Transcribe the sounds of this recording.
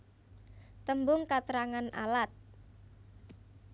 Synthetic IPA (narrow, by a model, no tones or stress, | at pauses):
t̪əmbʊŋkat̪əɾaŋana̰lat̪̚